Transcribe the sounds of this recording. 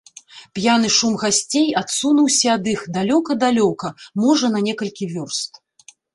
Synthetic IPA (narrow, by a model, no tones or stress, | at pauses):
pjan̪ɨʂumɣasʲt͡sʲejat̪sunuwsʲɐad̪ɨxd̪alʲɔkɐd̪alʲɔkɐmɔʐɐn̪ɐnʲɛkɐlʲkʲivʲɔrst̪